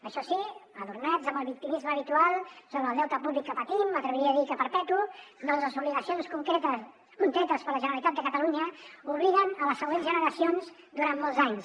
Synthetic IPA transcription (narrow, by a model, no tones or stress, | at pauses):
əʃɔsiəðurnazəmbəlˠβik̚t̪imizməːβit̪ualˠsoβəðɛwt̪əpuβlikːəpət̪imːət̪ɾəβəɾiəːðikəpəɾpɛt̪unɔnzləzuβliɣəsionskukt̪ | kuŋkɾɛt̪əspəɾləʒənəɾəlit̪at̪̚d̪əkət̪əluɲəuβliɣənələsːəɣwenzʒənəɾəsionz | d̪uɾanːɔlˠzaɲs